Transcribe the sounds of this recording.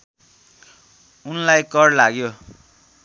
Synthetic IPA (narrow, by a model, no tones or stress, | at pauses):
unlajkʌrlaɡjo